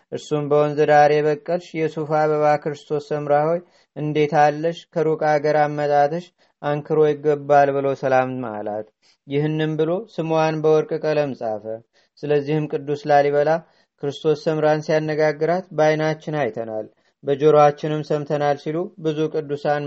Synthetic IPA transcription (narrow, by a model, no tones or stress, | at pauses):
ʔɨɾsumbəwɔnzəd̪aɾe̞βəkʼːəlʃjɛsufaβəβakʰɨɾɨst̪ʰo̞sːəmɾaho̞j | ʔɨnd̪e̞t̪ʰalːəʃkʰəɾukʼaɡəɾamːət̪ʼat̪ʰɨʃ | ʔaŋkʰɨɾo̞jɪɡːəbːalbɨlo̞səlamma̰la̰t̪ | jɪɦɨnːɨmbɨlo̞sɨmwanbəwɔɾkʼɨkʼələmsʼa̰fə | sɨləzːihɨmkʼɨd̪ːuslaliβəla | kʰɨɾɨst̪ʰo̞sːəmɾansijanːəɡaɡːɨɾat̪bajnat͡ʃːɪnajt̪ʰəna̰l | bəd͡ʒo̞ɾoat͡ʃːɪnɨmsəmt̪ʰənalsilubɨzukʼɨd̪ːusan